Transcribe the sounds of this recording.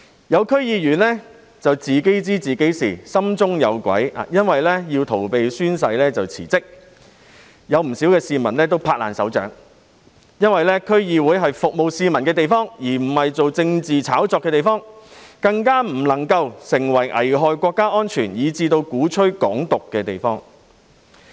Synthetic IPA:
jɐ˨˧wkʰɵ˥ɥjiː˧jyː˨˩nlɛː˥ | t͡sɐ˨wt͡siː˨ke˨˥jt͡siː˥t͡siː˨ke˨˥jsḭː˨˩sɐ˥mt͡sʊ˥ŋjɐ˨˧wkʷɐ̰˨˥ja̰˨˧jɐ˥nwɐ˨jlɛː˥jiː˧wt̪ʰo˨˩wpe˨jsyː˥ns̬ɐ˧jlɛː˥t͡sɐ˨wt͡sʰḭː˨˩t͡sɪ˥k̚ | jɐ˨˧wm̩˨˩siː˨˥wkɛː˧siː˨mɐ˨˩nlɛː˥t̪o˥wpʰaː˧la̰ː˨nsɐ˨˥wt͡ʃœ̰ː˨˥ŋ | jɐ˥nwɐ˨jlɛː˥kʰɵ˥ɥjiː˨˧wuː˨˥jɦɐ˨jfʊ˨k̚mo˨wsiː˨mɐ˨˩nkɛː˧t̪̬e˨jfɔː˥ŋjiː˨˩m̩˨˩hɐ˨jt͡so˨wt͡sɪ˧ŋt͡siː˨t͡sʰaː˨˥wt͡sɔː˧kːɛː˧t̪e˨jfɔː˥ŋkɐ˧ŋkaː˥m̩˨˩lɐ˨˩ŋkɐ˧wsɪ˨˩ŋwɐ˨˩jʔɐ̰˨˩jɦɔː˨jkʷɔː˧kːaː˥ʔɔː˥nt͡ʃʰyː˨˩njiː˨˧t͡siː˧t̪o˧wkuː˨˥t͡ʃʰɵ˥ɥkɔː˨˥ŋt̪ʊ˨kːɛː˧t̪e˨jfɔː˥ŋ

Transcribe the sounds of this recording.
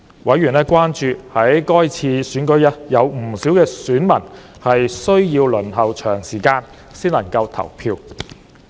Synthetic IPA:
wʔɐ˨˥jɥy˨˩nɛː˥kʷwaː˥nt͡ʃyː˨hɐ˨˥jkɔː˥jt͡sʰiː˧syː˨˥nkɵ˨˥ɥɐ˥jɐ˨˧wm̩˨˩siː˨˥wkɛː˧syː˨˥nmɐ˨˩n | hɐ˨jsɵ˥ɥjiː˧wlɵ˨˩nɦɐ˨wt͡ʃʰœː˨˩ŋsiː˨˩kaː˧n | siː˥nlɐ˨˩ŋkɐ˧wt̪ʰɐ̰˨˩wpʰiː˧w

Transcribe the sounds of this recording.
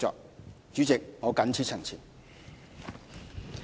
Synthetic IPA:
t͡sɔ̰ː˨k̚ | t͡ʃy˨˥t͡sɪ˨k̚ŋɔː˨˧kɐ˨˥nt͡sʰiː˥t̚t͡sʰə˨˩ŋt͡sʰiː˨˩n

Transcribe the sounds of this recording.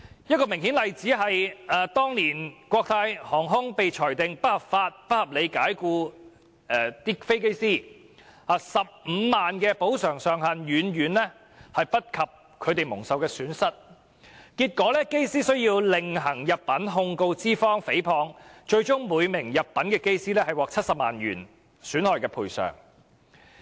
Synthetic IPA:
jɐ˥t̚kɔː˧mɪ˨˩ŋhi˨˥nlɐ˨jt͡siː˨˥ɦɐ˨jaː˨t̪ɔː˥ŋniː˨˩nkʷɔː˧k̚t̪ʰaː˧jhɔː˨˩ŋɦʊ˥ŋpe˨jt͡ʃʰɔː˨˩jt̪ɪ˨ŋpɐ˥t̚hɐ˨pfaː˧t̚pɐ˥t̚hɐ˨p̚le˨˧jkaː˨˥jkuː˧ | ɛ˧t̪iː˥fe˥jke˥jsiː˥ | aː˨˩sɐ˨p̚m̩ː˨˧maː˨nkɛː˧po˨˥wsœː˨˩ŋsœː˨ŋɦɐ˨njyː˨˧nɥyː˨˧nlɛ˥ | hɐ˨jpɐ˥t̚kʰɐ˨p̚ | kʰɵ˨˧ɥt̪e˨jmʊ˨˩ŋsɐ˨wkɛː˧syː˨˥nsɐ˥t̚ | kiː˧t̚kʷɔː˨˥lɛː˥ke˥jsiː˥sɵ˥ɥjiː˧wlɪ˨ŋɦɐ˨˩ŋjɐ˨p̚pɐ˨˥nɦʊ˧ŋko˧wt͡siː˥fɔː˥ŋfe˨˥jpʰɔː˧ŋt͡ʃɵ˧ɥt͡sʊ˥ŋmuː˨˧jmɪ˨˩ŋjɐ˨p̚pːɐ˨˥nkɛː˧ke˥jsiː˥lɛː˥hɐ˨˩jwɔː˨k̚t͡sʰɐ˥t̚sɐ˨p̚maː˨˩nɥyː˨˩n | syː˨˥nhɔː˨˩jkɛː˧pʰuː˨˩jsœ̰ː˨˩ŋ

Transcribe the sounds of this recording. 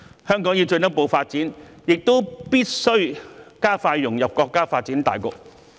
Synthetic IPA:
hœː˥ŋkɔː˨˥ŋjiː˨˧t͡ʃɵ˧nt̪ɐ˥k̚po˧wfaː˧t̚t͡siː˨˥njɪ˨k̚t̪o˥wpiː˥t̚sɵ˥ɥkaː˥faː˧jːʊ˨˩ŋjɐ˨p̚kɔː˧kːaː˥faː˧t̚t͡siː˨˥nt̪a̰ː˨jkʊ̰˨k̚

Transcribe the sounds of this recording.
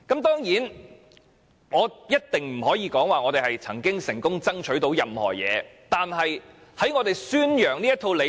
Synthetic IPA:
kɐ˨˥mt̪ɔː˥ŋjiː˨˥n | ŋɔː˨˧jɐ˥t̚t̪ɪ˨ŋm̩˨˩hɔː˨˥jiː˧kɔː˨˥ŋwaː˨ŋɔː˨˧t̪e˨˩hɐ˨jt͡sʰɐ˨˩ŋkɪ˥ŋsɪ˨˩ŋkʊ˥ŋt͡sɐ˥ŋt͡ʃʰɵ˨˥ɥt̪o˨˥wjɐ˨mhɔ̰ː˨˩jɛ̰ː˨˧ | t̪aː˨nɦɐ˨j | hɐ˨˥jŋɔː˨˧t̪e˨jsyː˥njœː˨˩ŋniː˥jɐ˥t̪ʰo˧wle˨˧

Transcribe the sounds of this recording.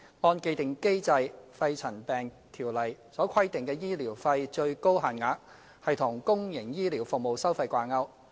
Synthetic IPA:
ŋɔː˧nke˧jt̪ɪ˨ŋke˥jt͡sɐ˧jfɐ˧jt͡sʰɐ˨˩npɛː˨ŋ | t̪ʰiː˨˩wlɐ˨˩jsɔː˨˥kʰɐ˥jt̪ɪ˨ŋkɛː˧jiː˥liː˨˩wfɐ˧jt͡ʃɵ˧ɥko˥wɦaː˨nŋaː˨˧k̚ | hɐ˨jt̪ʰʊ˨˩ŋkʊ˥ŋjɪ˨˩ŋjiː˥liː˨˩wfʊ˨k̚mo˨wsɐ˥wfɐ˧jkʷaː˧nŋɐ˧w

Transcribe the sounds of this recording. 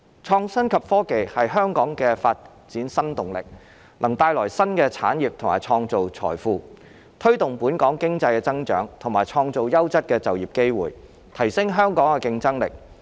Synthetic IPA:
t͡ʃʰɔː˧ŋsɐ˥nkʰɐ˨pfɔː˥ke˨jhɐ˨jɦœː˥ŋkɔː˨˥ŋkɛː˧faː˧t̚ | t͡siː˨˥nsɐ˥nt̪ʊ˨˩ŋlɪ̰˨k̚ | lʔɐ˨˩ŋt̪aː˧jlɔː˨˩jsɐ˥nkɛː˧t͡sʰa̰ː˨˥njiː˨p̚t̪ʰʊ˨˩ma̰ː˨˩jt͡ʃʰɔː˧ŋt͡so˨wt͡sʰɔ̰ː˨˩jfuː˧ | t̪ʰɵ˥ɥt̪ʊ˨ŋpuː˨˥nkɔː˨˥ŋkɪ˥ŋt͡sɐ˧jkɛː˧t͡sɐ˥ŋt͡ʃœ̰ː˨˥ŋt̪ʰʊ˨˩ŋmaː˨jt͡ʃʰɔː˧ŋt͡so˨wjɐ˥wt͡sɐ˥t̚kɛː˧t͡sɐ˨wjiː˨p̚ke˥jwṵː˨˩j | t̪ʰɐ˨˩jsɪ˥ŋɦœː˥ŋkɔː˨˥ŋkɛ˧kɪ˧ŋt͡sɐ˥ŋlɪ̰˨k̚

